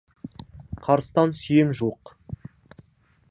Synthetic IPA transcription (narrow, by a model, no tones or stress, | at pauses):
qʰɑɾəst̪ɑnsʏjemʒuq